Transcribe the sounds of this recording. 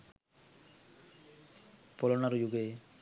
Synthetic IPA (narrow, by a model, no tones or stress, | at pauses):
pɔlɔnaɾujuɡe